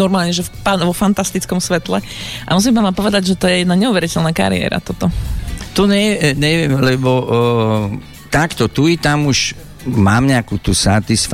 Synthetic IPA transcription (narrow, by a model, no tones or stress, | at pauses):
ɔɾmaːlɲɛʒɛpanʋɔfant̪ast̪it͡skɔmsʋɛt̪lɛ | ʔamus̬impamapɔʋɛd̪aɟʒɛt̪ɔjɛjɛd̪naɲɛuʋɛɾicɛlnaːka̰ɾḭɛ̰ːɾa̰t̪ɔt̪ɔt̪ɔɲɛɲɛʋɪɛmlɛbɔ | t̪akt̪ɔt̪uit̪amuʃ | maːmɲɛakuːt̪usat̪isf